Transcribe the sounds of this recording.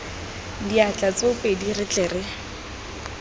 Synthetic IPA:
diat͡ɬʼat͡soʊpʼedirɪt͡ɬʼɛːrɪ

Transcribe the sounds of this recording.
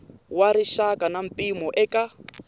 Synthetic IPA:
waɾiʃakʼanam̩pʼimɔʔɛka

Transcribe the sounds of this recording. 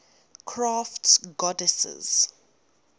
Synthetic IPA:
kʰɹaːftɡɔdɛsɛ̰z̥

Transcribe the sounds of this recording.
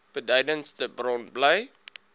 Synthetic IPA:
pədajdənstəbrɔ̃nblaj

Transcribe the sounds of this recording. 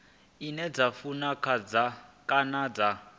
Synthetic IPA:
inɛd͡zafunakʰad͡zakʼanad͡za

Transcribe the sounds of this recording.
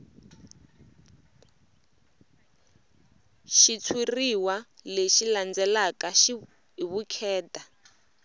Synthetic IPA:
ʃit͡sʰiriwaleʃiland͡zɛlakaʃi | ɦiβukʰɛːta

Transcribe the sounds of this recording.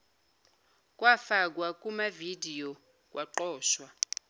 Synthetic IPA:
k̬ʼwafak̬wak̬ʼumavidʱijɔ | k̬ʼwʔaǃɔːʃwa

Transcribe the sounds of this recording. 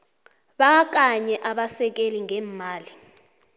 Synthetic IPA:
ɓak̬ak̬aɲɛʔaɓasɛk̬eliŋɛːmaːli

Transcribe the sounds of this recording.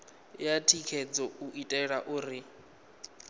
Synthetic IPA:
jatʰikʰɛd͡zɔuʔitʼɛɺaʔuːɾi

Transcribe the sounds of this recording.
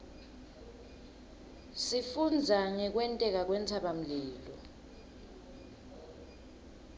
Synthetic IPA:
sifund͡zʱaŋɛk̬wɛntʼɛk̬ak̬wɛnt͡sʰaɓam̩liːlɔ

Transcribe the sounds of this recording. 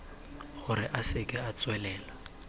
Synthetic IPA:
χʊɾɪʔasɪkʼɪat͡swɛlɛːla

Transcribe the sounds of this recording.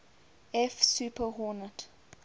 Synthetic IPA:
ɛfsupʰəɦɔnət

